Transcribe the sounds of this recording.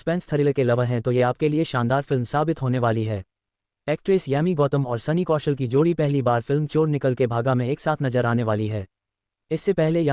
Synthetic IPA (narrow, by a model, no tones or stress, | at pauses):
spɛ̃ːnst̪ʰɐɾiːlkelɐʋəɦɛ̃t̪ojeaːp̚kelieʃãːnd̪aːɾfɪlmsaːbɪt̪ɦoːneʋaːliɦɛː | ɛːk̚ʈɾeːsjɛːmiɡɔːt̪əmɔːɾsɐnikɔːʃəlkid͡ʒoːɽipɛɦlibaːɾfɪlmt͡ʃoːɾnɪkəlkebʱaːɡamẽeːksaːt̪ʰnɐzəɾaːneʋaːliɦɛː | ɪsːepɛɦlej